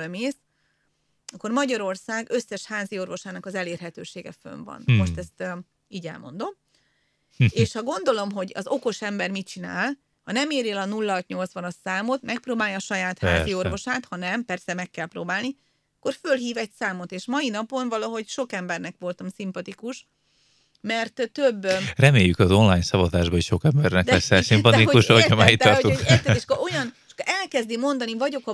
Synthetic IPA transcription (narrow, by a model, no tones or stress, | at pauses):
meːs | ɒkːo̞rmɒɟɒɾo̞rsaːɡø̞sːɛʃhaːzio̞rʋo̞ʃaːnɒkɒzɛleːrɦɛt̪ø̰ːʃeːɡɛ̰fø̰ɱvɒ̰nmo̞ʃt̪ɛst̪ | iːɟɛ̰lmo̞̰nd̪o̞m | eːʃhɒɡo̞n̪d̪o̞lo̞mɦo̞ɟɒ̰zo̞ko̞ʃɛmbɛrmit͡ʃina̰ːl | hɒnɛmeːɾelɒnulːɒt̪ɲo̞lt̪sʋɒnɒsaːmo̞t̪mɛk̚proːbaːljɒːʃɒjaːt̪ha̰ːzio̞rvo̞ʃaːt̪hɒnɛmpɛrsɛmɛkːɛlpɾoːbaːlni | ɒkːo̞rfølɦiːvɛcsaːmo̞t̪eːʃmɒjinɒpo̞nvɒlɒɦo̞cʃo̞kɛmbɛrnɛkʋo̞lt̪ɒmsimpɒt̪ikuʃ | mɛrt̪t̪øbːrɛmeːjːykɒzo̞nlaːjnsɒvɒzaːʒbɒiʃokɛmbɛrnɛkd̪ɛsːɛsimpɒt̪iuʃoɒmait̪ɒot̪ut̪ːɛeʃkoo̞jɒnʃo̥kːɛlkɛzd̪imo̞nd̪ɒnivɒɟo̞kɒ